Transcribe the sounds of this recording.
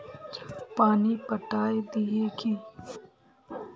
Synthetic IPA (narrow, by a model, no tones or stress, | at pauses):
paːnipəʈaːed̪ieːki